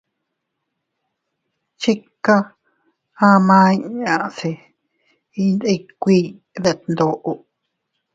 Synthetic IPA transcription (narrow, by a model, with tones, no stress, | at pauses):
t͡ʃi˦ka˦ | ã˦mãː˦i˦ɲã˨se˧˨ | i˧nd̪i˧kʷiː˦˧ | ðe˧˨t̪nd̪o˧ʔo˧